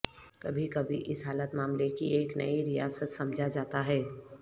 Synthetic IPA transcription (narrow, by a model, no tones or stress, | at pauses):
kɐbʱikɐbʱiʔɪsɦaːlət̪maːmlekieːknɐ̰iɾijaːsət̪sɐ̃md͡ʒʱad͡ʒaːt̪aɦɛː